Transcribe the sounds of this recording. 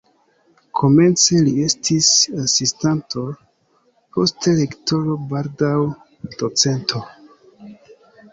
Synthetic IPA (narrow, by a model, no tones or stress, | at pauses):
kʰo̞me̞nt͡se̞lie̞stʰisasistanto̞ | po̞stelekto̞ɾo̞baɾdaw | d̥ot͡se̞ntʰo̞